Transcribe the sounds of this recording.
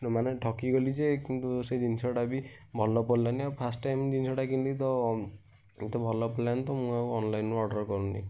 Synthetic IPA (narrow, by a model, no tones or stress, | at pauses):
nɔmaneʈʰɔkiɡɔlid͡ʒekint̪used͡ʒinsɔʈabibʱɔlːɔpɔllaniapʰasʈʈajmd͡ʒinsɔʈakint̪it̪ɔ | t̪ɔbʱɔlɔpɔɾllant̪ɔmũakuɔnlajnɔɾɖɔɾkɔɾuni